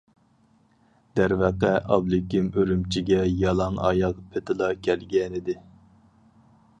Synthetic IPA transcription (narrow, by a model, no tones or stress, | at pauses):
d̪̥æɾvæqɛʔɑblˠɪkʲimøɾymt͡ʃʰiɡʲɛjɑlˠɑŋɑ̰jɑqpʰet̪ʰɪlˠɑkʲʰɛlɡʲɛnɪd̪ɪ